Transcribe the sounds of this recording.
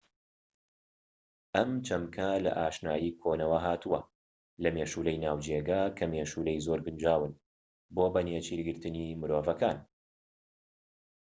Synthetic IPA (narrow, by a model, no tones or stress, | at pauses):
ʔɐmt͡ʃʰɐmkʰɐlɐ̰ʔaːʃnaːjikʰoːnɐwɐɦaːt̪ʰuwɐ̰ | lɐmeʃuːlɐjnaːwd͡ʒeɡaːkʰɐmeːʃuːlɐjzoɾɡɨnd͡ʒaːwɨn | boːbɐneːt͡ʃiːɾɡɨɾt̪ɨnimɨɾoːvɐkʰaːn